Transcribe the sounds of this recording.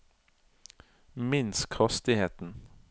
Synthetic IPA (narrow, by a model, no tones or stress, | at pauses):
mɪnskʰʁɑst̪ɪheːt̪n̩